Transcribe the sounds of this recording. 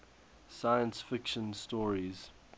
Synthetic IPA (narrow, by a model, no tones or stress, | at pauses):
sajə̃nsfɪkʃə̃nstɔːɹiz̥